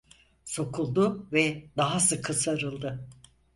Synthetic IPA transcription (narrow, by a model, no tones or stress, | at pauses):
so̞kʰulˠd̪ʊvɛd̪aɦasɯkʰːɯsaɾɯlˠd̪ɯ